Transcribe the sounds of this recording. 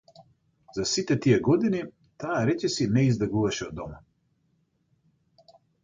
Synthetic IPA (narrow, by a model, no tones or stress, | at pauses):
zasit̪ɛt̪ijɛɡɔd̪ini | t̪aːɾɛcɛsinɛizd̪ɛɡuvaʃɛɔd̪ɔma